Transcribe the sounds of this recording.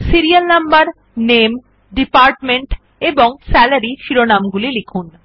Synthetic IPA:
siɾijalnambaɾ | nem | ɖipaɾʈmeɳʈ | eboŋsɛlaɾiʃiɾonamɡulilikʰun

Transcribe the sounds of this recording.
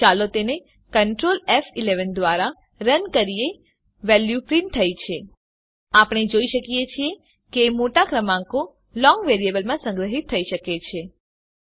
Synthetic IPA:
t͡ʃalot̪ene | kəɳʈɾolɛfileʋənd̪ʋaɾa | ɾənkəɾie | ʋɛljupɾinʈt̪ʰːəjt͡ʃʰe | apɳ̃ed͡ʒoiʃəkijet͡ʃʰie | keːmoʈakɾəmãŋko | lɔ̃ŋɡʋeɾiebəlmãsə̃ŋɡɾəɦit̪ʰːəiʃəket͡ʃʰe

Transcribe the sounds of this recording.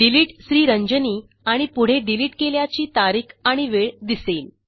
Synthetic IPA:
ɖiliːʈsɾiːɾəɲd͡ʑəniː | aɽ̃ipuɽ̤eɖiliːʈkeljat͡ɕiːt̪aɾiːkʰaɽ̃iʋeɭd̪iseːl

